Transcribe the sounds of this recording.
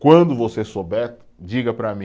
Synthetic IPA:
kwɐ̃nd̪ʊvosesobɛ | d͡ʒiɡɐpɾɐmĩ

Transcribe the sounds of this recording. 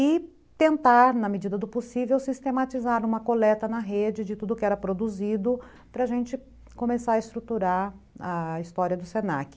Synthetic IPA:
ɪ | t̪ẽnt̪aɾnɐmɪd͡ʒid̪ɐd̪ʊposivewsist̪emat͡ʃizaɾũmɐkolɛt̪ɐnɐɦed͡ʒɪd͡ʒɪt̪ud̪ʊkɪɛɾɐpɾod̪uzid̪ʊ | pɾɐaʒẽnt͡ʃɪ | kõmesaɾɐɪst̪ɾut̪uɾaɾ | ɐist̪ɔɾiɐd̪ʊsenakɪ̥

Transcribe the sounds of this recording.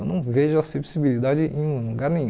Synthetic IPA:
wnɐ̃w̃veʒʊasepsibilid̪ad͡ʒɪʔẽj̃ũluɡaɾlĩɲ

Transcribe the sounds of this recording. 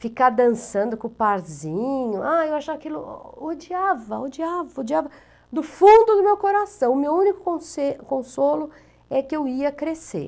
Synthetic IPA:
fikad̪ɐ̃sɐ̃nd̪ʊkõpaɾzĩɲʊʔaewaʃavɐakilʊod͡ʒiavɐʊd͡ʒiavɐʊd͡ʒiavɐ | d̪ʊfũnd̪ʊd̪ʊmewkoɾasɐ̃w̃ʊmewũnikʊ̥kõsekõsolʊ | ɛkɪewiɐkɾesḛɾ

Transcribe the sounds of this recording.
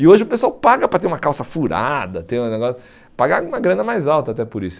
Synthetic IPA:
ɪoʒɪʊpesuawpaɡɐpɾɐt̪eɾũmɐkawsɐfuɾa̰d̪ɐt̪ẽj̃ũneɡɔsʊ | paɡaũmɐɡɾɐ̃nɐmajzawt̪ɐat̪ɛpʊɾisʊ̥

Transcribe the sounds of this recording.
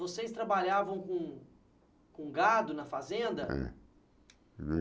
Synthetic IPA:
vosejst̪ɾabaʎavɐ̃w̃kõ | kõɡad̪ʊnɐfazẽnd̪ɐɛ̰

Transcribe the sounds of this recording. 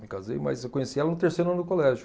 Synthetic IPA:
mikazḛjmɐ̰jzewkõɲesiɛlɐnʊt̪eɾsejɾʊɐ̃nd̪ʊkolɛʒʊ

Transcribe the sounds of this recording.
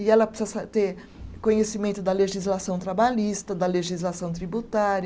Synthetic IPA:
ɪɛlɐpsɛsɐt̪eɾ | kõɲesimẽnt̪ʊd̪ɐleʒizlasɐ̃w̃t̪ɾabaʎist̪ɐd̪ɐleʒizlasɐ̃w̃t̪ɾibut̪aɾɐ

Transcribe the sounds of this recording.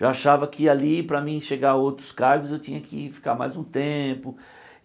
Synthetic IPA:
ʒaaʃavɐkʰɪalipɾɐmĩʃeɡaowt̪ɾʊ̥skaɾɡʊzewt͡ʃĩɲɐkʰɪfi̥kama̰jzũt̪ẽpʊ

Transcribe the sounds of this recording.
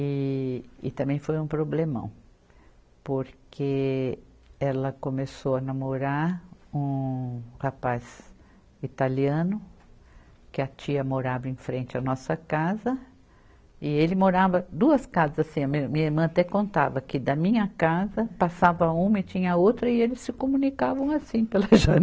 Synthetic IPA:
ɪ | ɪ̰t̪ɐ̃mbẽj̃fojũpɾoblemɐ̰̃w̃ | poɾkʰe | ɛlɐkõmesowɐnamoɾaɾũhapaz | it̪aliɐ̃nʊ | kɪɐt͡ʃiɐmoɾabẽfɾẽnt͡ʃɪɐnɔsɐkazɐ | ɪelɪmoɾavɐd̪uɐskazɐzasĩɐmĩɐmĩɲɐiɾmɐ̃ɐt̪ɛkõnt̪a̰vɐkɪd̪ɐmĩɲɐkazɐpasavɐũmɐɪt͡ʃĩɲɐɐowt̪ɾɐɪelɪsːɪkomũnikavɐ̃w̃asĩpelɐʒɐ

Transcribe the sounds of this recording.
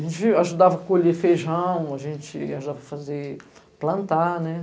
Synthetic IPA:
ʒẽnt͡ʃɪaʒud̪avɐkoʎefeʒɐ̃w̃aʒẽnt͡ʃɪaʒud̪avɐɐfazeplɐ̃nt̪anɛ

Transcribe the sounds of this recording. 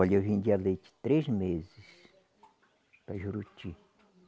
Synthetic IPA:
alʲaɦind̪ʲjalet͡ʃi̥t̪ɾesmezis | paʒuɾut͡ʃi

